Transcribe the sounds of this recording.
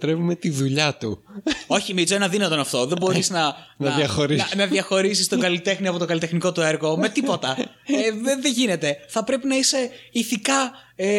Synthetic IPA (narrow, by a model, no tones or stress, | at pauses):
t̪ɾe̞vume̞t̪iðuʎɐt̪uo̞çimit͡soenɐðinɐt̪o̞nɐft̪o̞ðebo̞ɾiznɐnɐðjɐxo̞ɾiɐnɐðjɐxo̞ɾis̬ist̪o̞ɡɐlit̪e̞xniɐpo̞t̪oɡɐlit̪exniko̞t̪ue̞ɾɣo̞me̞t̪ipo̞t̪ɐ | eeðeʝine̞t̪e̞θɐpɾe̞pinɐise̞iθikɐ | e